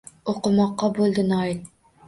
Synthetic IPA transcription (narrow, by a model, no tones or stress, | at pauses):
oqəmɑqːɑbolˠd̪ɨnɑjl